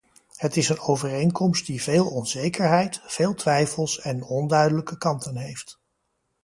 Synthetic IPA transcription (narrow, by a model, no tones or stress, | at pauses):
ɦətɪsənowvərejŋkɔmst̚diveːlˠɔnzejkəɹɦɛjtfeːlˠtʋɛjfəlˠsɛnɔndœɥdələkəkɑntənɦejft